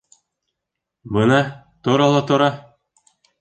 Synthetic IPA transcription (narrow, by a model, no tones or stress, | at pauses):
bɤnɑ | t̪ŏɾɑlˠɑt̪ŏɾɑ